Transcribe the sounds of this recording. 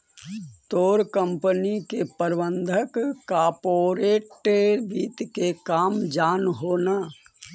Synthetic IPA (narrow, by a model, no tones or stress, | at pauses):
t̪oːɾkə̃mpənikepəɾʋənd̪ʱəkkaːpoːɾeːʈeʋiːt̪kekaːmd͡ʒaːnɦoːnaː